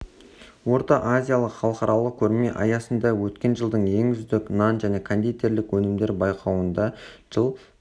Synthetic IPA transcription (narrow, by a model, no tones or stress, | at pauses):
wo̞ɾt̪ɑʔazʲijalˠəqχɑlˠqɑɾɑlˠəq̚kʲʰɵɾme̞ʔɑjɑsənd̪ɑwɵt̪kʲe̞nʒəlˠd̪əɴje̞ŋʏzd̪ɪknɑnʒæne̞kʰond̪it̪ːeɾlɪkwɵnɪmd̪e̞ɾbɑjqʰɑwənd̪ɑʒ̥əlˠ